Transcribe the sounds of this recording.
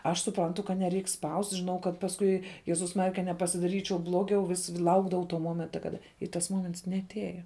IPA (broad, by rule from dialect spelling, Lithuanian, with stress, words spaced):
ɐʃ sʊˈprɐntʊ kɐt nʲɛˈrʲɛɪk spɐʊsʲtʲ ʒʲɪˈnɐʊ kɐt pɐsˈkʊɪ ˈjæːzʊs ˈmɑːrʲɪjɛ kɐ nʲɛpɐsʲɪdɐˈrʲiːt͡ʃʲɛʊ ˈblˠoːɡʲɛʊ ˈʋʲɪs ˈlˠɐʊɡdɐʋɐʊ toː ˈmoːmʲɛntɐ ˈkɑːdɐ ɪ tɐs ˈmoːmʲɛnts nʲɛɐˈtʲæːjɛ